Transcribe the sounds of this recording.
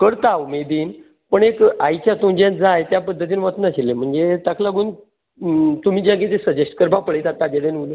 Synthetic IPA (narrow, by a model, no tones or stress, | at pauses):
kəɾt̪aumed̪iːn | pəɳekajt͡ɕjat̪umd͡ʑãd͡zajt̪japəd̪ʱːət̪̬iːnʋət̪naɕilem̤əɳd͡zet̪akʰlaɡuːn | t̪um̤iːd͡ʑãŋket̪esəd͡ʑeʂʈkəɾbapəɭjt̪at̪ːad͡ʑad̪enul